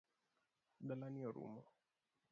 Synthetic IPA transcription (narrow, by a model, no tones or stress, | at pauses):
dalaniɔɾṵmɔ